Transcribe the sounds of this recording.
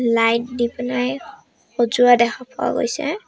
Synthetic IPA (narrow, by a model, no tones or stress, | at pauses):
lajt̚dipnaj | xozuadɛkʰapʰɔa̰ɡo̰jsɛ̰